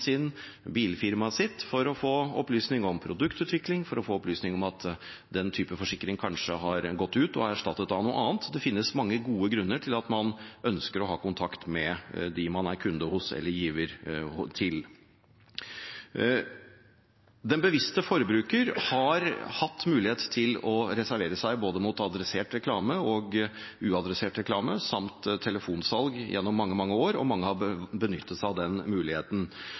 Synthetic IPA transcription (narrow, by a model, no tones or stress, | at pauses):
sɪn | biːlfɪɾmɑsɪt̪ːfɔɾɔfoːɔplyːsnɪŋɔmpʰɾʊd̪ʉkt̪ʉːt̪ʋɪklɪŋfɔɾɔfoːɔplyːsnɪŋɔmɑt̪ | d̪ɛnt̪ʰyːpəfɔʂɪkːɾɪŋkʰɑnʂəɦɑɾɡɔt̪ːʉːt̪ɔ̰æʂʈɑt̪ːət̪d̪ɑnuːə̰ʔɑːnt̪d̪ɛfɪnːəsmɑŋːəɡuːəɡɾʉnːəʈʰɪlɑt̪mɑnœnskəɾɔɦɑːkʊnt̪ʰɑkt̪mɛd̪ɪmɑnæɾkʰʉnd̪əhʊsɛ̰lːəɾjiːʋəɾt̪ʰɪl | d̪ɛnbəʋɪst̪əfɔɾəbɾʉːkəɾhɑɾhɑt̪ːmʉːlɪheːt̪t̪ʰɪlɔɾɛsæɾʋeːɾəsæɪboːd̪əmuːt̪ɑd̪ɾɛseːʈɾɛkʰlɑːməɔɡ | ʉːɑd̪ɾɛseːʈɾɛkʰlɑːməsɑmt̪t̪ʰːɛləfuːnsɑlɡjʔɛ̰nːɔmːɑŋːəmɑŋːəoːɾɔ̰mɑŋːəhɑbənʏt̪ːət̪sæɑʋd̪ɛnmʉːlɪheːt̪n̩